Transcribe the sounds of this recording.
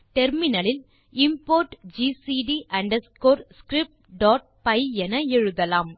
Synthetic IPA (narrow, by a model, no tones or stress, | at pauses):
t̪ɛɾmɪnɐlɪl | ɪmpoːɾʈd͡ʒiːsiːɖiʔɐɳɖɐskoːɾskɾɪp̚ʈɖaːʈ̚pɐɪɛnɐɛɻɯðɐlaːm